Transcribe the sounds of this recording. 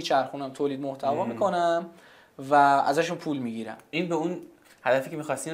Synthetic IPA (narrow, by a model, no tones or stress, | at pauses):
it͡ʃʰæɾxuːnæmt̪ʰoːliːd̪̚moht̪ʰævɒːmikʰo̞næm | vææ̰zæʃunpʰulmiːɟiɾæ̰minbeun | hæd̪æfiːcʰemiːxɒst̪i